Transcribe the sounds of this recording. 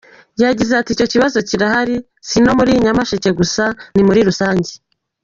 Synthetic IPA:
jaɟizeatiːco̞ciβazo̞ciɾahaɾi | sino̞muɾiɲamaʃece̞ɡusanimuɾiɾusaːɲɟe

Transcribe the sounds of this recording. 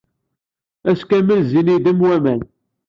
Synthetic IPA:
æskæməlziniðəmwæmæn

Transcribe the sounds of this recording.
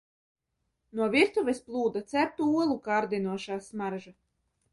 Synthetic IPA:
nuɔvʲiɾt̪uvʲɛsplˠuːd̪at̪sʲæɾt̪uuɔlˠukaːɾd̪ʲinuɔʃaːsmaɾʒa

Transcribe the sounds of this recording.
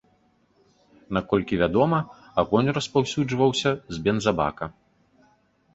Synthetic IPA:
nakɔlʲkʲivʲad̪ɔmɐ | aɣɔnʲrɐspawsʲud͡ʐvɐwsʲɐzʲbʲɛnzaba̰kɐ

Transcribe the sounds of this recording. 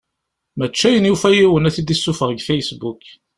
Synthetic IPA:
mət͡ʃːæjənjufæjiwənæθid̪isːufəʁɡfæjsbuk

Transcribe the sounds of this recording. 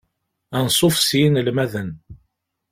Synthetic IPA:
ænsˤofsjinlmæðən

